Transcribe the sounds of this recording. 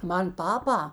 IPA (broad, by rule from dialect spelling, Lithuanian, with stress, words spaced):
ˈmɐn ˈpɑːpɐ